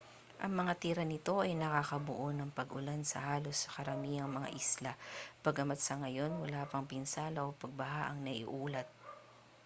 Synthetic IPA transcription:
ʔɐŋmɐŋat̪iːɾɐnɪt̪o̞ʔɐjnɐkakɐbʊʔonɐŋpɐɡʊlansɐ̰haːlo̞sːɐ̥kɐɾɐmiːɐŋmɐŋa̰ʔislab̥ɐɡɐmɐt̪sɐŋɐjo̞nwɐlaːpɐŋpɪnsaːlɐʔopɐɡ̚bɐɦaʔɐŋnɐʔɪ̰ʔuːlɐt̪̚

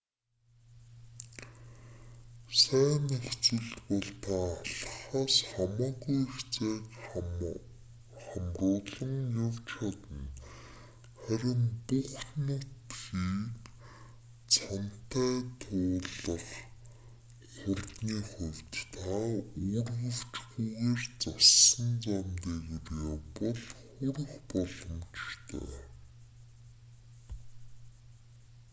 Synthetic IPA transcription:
sæːnext͡sɘ̆ɮt̪pɔɮt̪ʰaːɮχaːsχamɔːɣujxt͡seːk | χamrʊːɮə̆ŋjʊwt͡ɕʰat̪ə̆n | χæɾʲɪ̆mpʊχnʊt̪xiːk | t͡sʰɔnt̪æːt̪ʰʊːɮə̆χ | χʊrt̪niːχʊwʲt̪t̪ʰaːʊrʁə̆w̥t͡ɕxuɣeːrt͡sasə̆nt͡samt̪eːkireːpɔɮχʊrə̆χpɔɮɞ̆mt͡ɕt̪ʰḛː

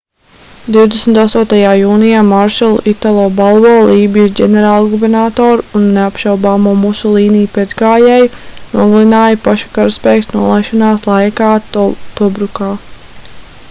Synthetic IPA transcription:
d̪iwd̪esmʲt̪ast̪uɔt̪ajaːjuːnijaːmaɾʃɛlˠṵʔit̪alˠɔːbalˠvɔːlˠiːbijuɟʲɛnɛɾaːlˠɡubeɾnaːt̪ɔːɾunːeapʃawbaːmuːmusulˠiːnijuped̪zɡaːjɛːjnuɔɡalˠinaːjapaʃu̥kaɾspɛːksnuɔlˠajʃɔnaːslˠajkaːt̪ɔbɾukaː

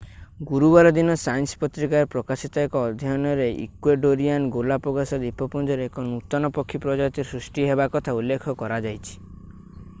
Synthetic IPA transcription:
ɡuɾubaɾɔd̪inɔsajnsɔ̥pɔt̪ɾikaɾpɾɔkasit̪ɔekɔːd̪ʱjɔnɔɾeʔḭkweɖoɾianɡolapɔɡasɔd̪ipɔpund͡ʒɔɾeekɔnut̪ɔnɔpɔkʰːipɾɔd͡ʒɔjɔt̪isɾusʈiɦebakɔt̪ʰaulːekʰɔkɔɾad͡ʒajt͡ʃʰi̥

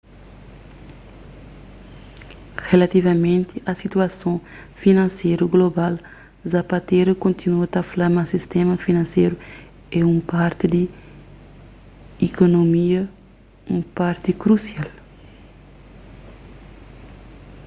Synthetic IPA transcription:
ʁelat̪ivɐmẽnt̪iʔɐsit̪uɐsõ | finɐ̃nsejɾuɡlobal | zapat̪eɾɐkõnt̪inuɐt̪ɐflamɐsist̪ɛmɐfinɐ̃nsejɾu | ɛũpaɾt̪id̪i | ikonomiɐ | ũpaɾt̪ikɾusjal

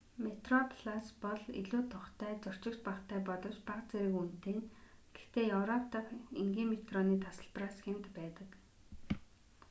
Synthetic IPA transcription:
met̪rɔpʰɮ̥aspɔɮḭɮuːt̪ʰʊχt̪æːt͡sʊr̥t͡ɕɪ̆kt̪paχt̪ʰæːpɔɮɞ̆wt͡ɕpaqt͡seɾɘ̆kun̥t̪eːnɡ̥ext̪eːjɔwɾɔpt̪ʰaχiŋɡʲiːmet̪rɔniːt̪ʰasə̆ɮpraːsxent̪pæːt̪ə̆k

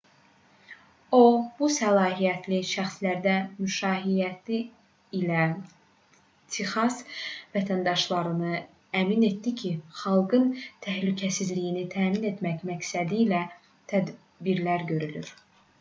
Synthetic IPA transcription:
ob̥usælˠɑːɦijæt̪ʰliʃæxslæɾd̪æmyʃɑːɦijæt̪ʰiː | læ | t̪ʰixɑsvæt̪ʰænd̪ɑʃlˠɑɾɯnɯ | æmine̞t̪d̪icʰiχɑlˠɡɯnt̪ʰæhlycʰæsizlijinit̪ʰæːmine̞t̪mæcmæcsæd̪iːlæ | t̪ʰæd̪ | biɾlæɾɟø̞ɾyly̰ɾ

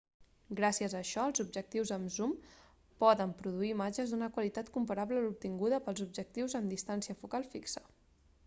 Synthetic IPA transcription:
ɡɾasiəzəːʃɔəlˠzub̚ʒək̚t̪iwzəmzum | pɔðəmpɾuðuiːmad͡ʒəzd̪unəkwəlit̪at̪kumpəɾaβləlup̚t̪iŋɡuðəpəlˠzub̚d͡ʒək̚t̪iwzəmd̪ist̪ansiəfukalˠfiksə

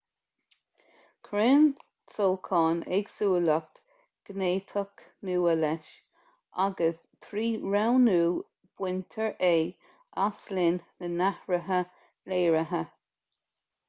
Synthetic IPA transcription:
kʰɾɪn | t͡solkʰɑːnɛɡsuːlək̚t̪ | ɡ̥neːt̪ʰɔk | nuːəlɛʃ | ʔaɡəs | t̪ʰɾiːɹawnuː | b̥wɪnt̪ʰəɹʔeː | aslɪnnənahɹəɦə | leːɹəɦə

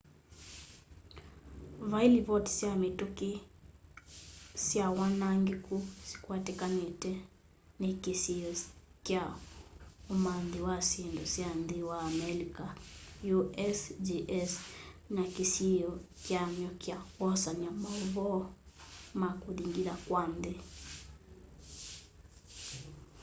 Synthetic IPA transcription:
vailiβɔtsiamituki | sjawanaŋɡikusi̥kwatɛkanetɛ | nekisiɔkja | umanðiwasindɔsjanðiwaːmɛlikajuʔɛsd͡ʒiʔɛsnakisiɔkjamjɔkjawɔsaɲamaɔβɔ | makuðiŋɡiðakwande

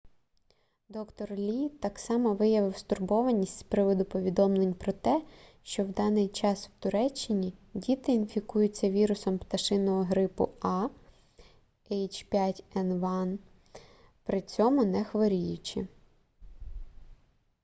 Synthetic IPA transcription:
d̪ɔkt̪ɔrlʲit̪ɑksɑmɔʋɪjɐʋɪwst̪ʊrbɔʋɐnʲisʲtʲspɾɪʋɔd̪ʊpɔʋʲid̪ɔmlˠenʲpɾɔt̪ɛʃt͡ʃɔwd̪ɑnɪjt͡ʃɑsw̥t̪ʊɾɛt͡ʃːɪnʲidʲit̪ɪːnfʲikujʊt͡sʲːɐʋʲiɾʊsɔmpt̪ɐʃɪnɔɦɔɦɾɪpʊ̰ɑ | ɛjt͡ʃpʲjatʲɛnʋɑn | pɾɪt͡sʲɔmʊnɛxʋɔɾʲijʊt͡ʃɪ

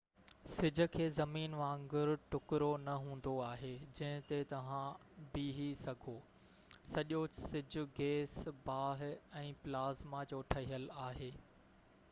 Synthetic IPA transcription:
sɪd͡ʑʱʊ̆kʰeːzɐmiːnʋãːŋɡʊɾʊʈʊkɪɾonɐɦũːn̆d̪oaːɦed͡ʑɐ̃ɦɪ̃t̪et̪ɐʋ̤ãbiːɦisɐɡʱoː | sɐʄosɪd͡ʑʱʊ̆ɡeːsbaːɦɪ̆ɛ̃ːplaːzmad͡ʑoːʈʰɐɦijəlaːɦeː

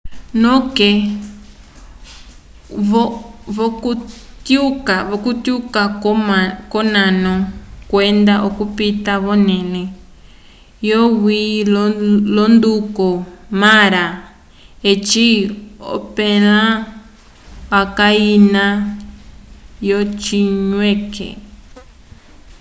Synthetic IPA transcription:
nõke | βoβokut̪jukaβokut̪jukakomakonãnõkwend̪aʔokupit̪aβonẽnẽ | jowilolond̪ukomãɾa | et͡ʃio̰pẽlã | akainã | jot͡ʃiɲẽkḛ

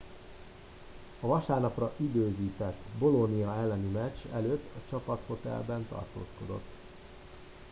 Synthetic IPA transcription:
ɒvɒʃaːrnɒprɒʔid̪øːziːt̪ɛt̪ːbo̞lo̞nijɒɛlːɛnimɛt͡ʃːɛløːt̪ːɒt͡ʃɒpɒt̪ho̞t̪ɛ̰lbɛnt̪ɒ̰rt̪o̰ːsko̞d̪o̰t̪ː

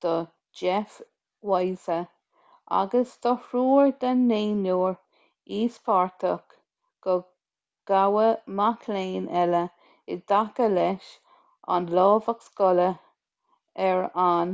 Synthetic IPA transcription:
d̪̥ə | d͡ʒɛf | wajzə | a̰ɡəsd̪ɔhɾuːɹd̪anːeːnuːɹ | iːsfaɹt̪ək | ɡ̥ə | ɡ̥awəmakʰleːnɛlə | ɪd̪akəlɛʃ | a̰nlɔːvakskɔlə | ɛɹan

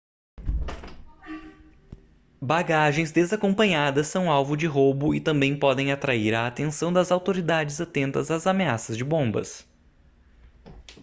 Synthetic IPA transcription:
baɡaʒẽj̃zd̪ezakõmpɐ̃ɲad̪ɐsːɐ̃w̃awvʊd͡ʒɪɦobʊɪt̪ɐ̃mbẽj̃pɔd̪ẽj̃at̪ɾaiɾaːt̪ẽnsɐ̃w̃d̪ɐzawt̪oɾid̪ad͡ʒɪzat̪ẽnt̪ɐzazameasɐzd͡ʒɪbõbɐ̰s

